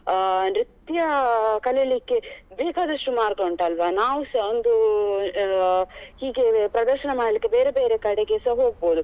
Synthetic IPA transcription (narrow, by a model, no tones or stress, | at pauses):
nɾit̪jɐkɐleɭikːe̞beːkaːd̪ɐʂʈumaːɾɡoɳʈɐlʋɐnaːʋusond̪u | hiːɡepɾɐd̪ɐɾʃɐnɐmaːɽlikːebeːɾebeːɾekɐɽeɡeːsɐɦoːɡ̚boːd̪u